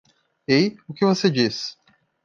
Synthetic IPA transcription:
ejʊkɪvosed͡ʒis

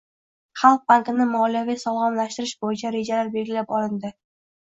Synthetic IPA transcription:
χɑlˠq̚bant̪ʲɪnɪmɒlijavijsɒlˠʁɒmlaʃt̪ɪɾɪʃbojɪt͡ʃʰaɾe̞d͡ʒalaɾbe̞lɡʲɪlapɒlɪnd̪ɪ

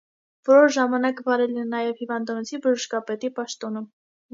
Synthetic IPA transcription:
vɔɾɔɾʒɑmɑnɑkvɑɾɛlɛnɑjɛvhivɑnd̪ɑnɔt͡sʰibəʒəʃkɑpɛt̪ipɑʃt̪ɔnə

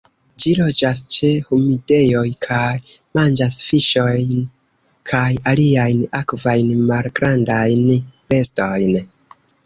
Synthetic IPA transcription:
d͡ʒilo̞d͡ʒas̬t͡ʃe̞humide̞jo̞jkʰaj | mand͡ʒasfiʃo̞jn | kʰajaliajnakvajnmalɡɾandajnb̥e̞sto̞jn

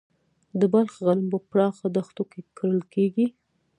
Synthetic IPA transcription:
d̪əbalxɣanəmpəpɾɑxad̪axt̪okekʰəɾəlkeɡi

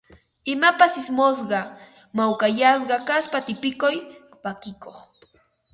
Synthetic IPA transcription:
ɪmapasɪsmos̬ɢɑ | mawkajas̬ɢɑkaspat̪ɪpɪkʊj | pakɪkoχ

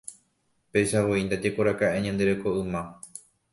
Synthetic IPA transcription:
pe̞ʃaʋo̞ind̪ad͡ʒe̞koɾakaʔeɲãnd̪e̞ɾe̞ko̞ɨmã

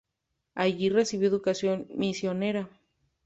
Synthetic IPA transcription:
aʝiresiβjoeðukasjonmisjoneɾa

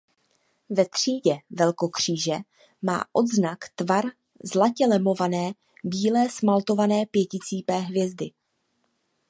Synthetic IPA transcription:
vɛt̪r̝̥iːɟɛvɛlko̞kr̝̥iːʒɛ | ma̰ːʔo̞d̪znakt̪vaɾ | zlacɛlɛmo̞vanɛː | biːlɛːsmalt̪o̞vanɛːpjɛcɪt͡siːpɛːɦvjɛzdɪ

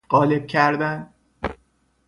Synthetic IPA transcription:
ɢ̥ɒːle̞b̥̚cʰæɾd̪ænd̪

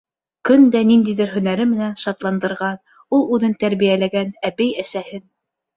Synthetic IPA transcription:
kɵnd̪ænind̪ijðɘɾɦɵ̆næɾɘmɘ̆nænʃɑt̪lˠɑnd̪ɤ̆ɾʁɑn | ulˠʉðɘnt̪æɾβijælæɡænæβɘjæsæhɘn

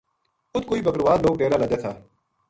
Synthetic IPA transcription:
ʊt̪ʰkoːiːbəkəɾʋaːd̪loːɡ̚ʈeːɾaːləd͡ʒeːt̪ʰaː

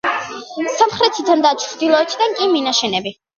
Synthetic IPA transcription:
samχɾɛt̪ʰid̪and̪at͡ʃʰɾd̪ilˠɔɛt̪ʰd̪aŋkʼiminaʃɛnɛbi

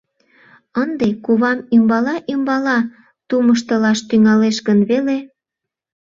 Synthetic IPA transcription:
ənd̪ekuβɑmymbɑlɑʔymbɑlɑ | t̪uməʃt̪əlɑʃt̪yŋɑleʃɡənβele

